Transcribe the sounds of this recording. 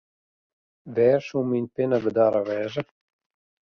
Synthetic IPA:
vɛːɾsuminʲpenabəd̪aːɾavɛːzə

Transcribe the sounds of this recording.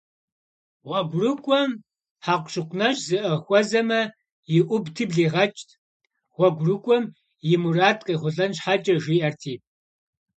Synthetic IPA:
wʷɐɡʷrɨkʷʼɔm | ħaːqʷʃɪqʷʰʼnɐʃzɨʔɐxʷɔzɐmɐ | jɪʔʷʊbtʰɨːbɮiːʁɐt͡ʃʼtʰ | wʷɐɡʷrɨkʷʼɔm | jɪmuraːtʼqʼiːʁʷʊɮɐnɕħat͡ʃʼɐʒiːʔɐrtʰiːpʼ

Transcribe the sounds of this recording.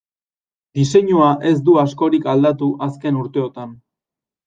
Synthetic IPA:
d̪ise̞ɲuaʔe̞zd̪uasko̞ɾikald̪at̪uʔaske̞nuɾt̪e̞o̞t̪an

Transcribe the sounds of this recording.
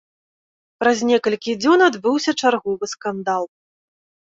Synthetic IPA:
pɾazʲnʲɛkɐlʲkʲid͡zʲɔnad̪bɨwsʲɐt͡ʂarɣɔvɨskand̪alˠ

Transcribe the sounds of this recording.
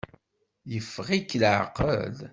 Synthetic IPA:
jəfːʁikːlʕqə̰l

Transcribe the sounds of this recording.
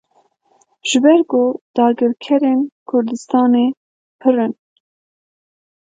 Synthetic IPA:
ʒ̥ɨbɛɾkoːd̪̥ɑːɡɨɾkʰɛɾeːnkʰʊɾd̪ɨst̪ɑːne | pʰɨrɨn

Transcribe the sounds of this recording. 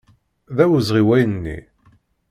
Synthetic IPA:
ðæwəzʁiwæjnnːḭ

